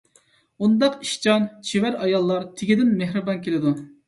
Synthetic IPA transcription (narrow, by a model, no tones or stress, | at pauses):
und̪ɑqiʃt͡ʃɑnt͡ʃʰiwæɾɑjɑlˠːɑɾt̪ʰɪɡʲid̪ɪnmeɦɾɨbɑnkʲʰelɪd̪u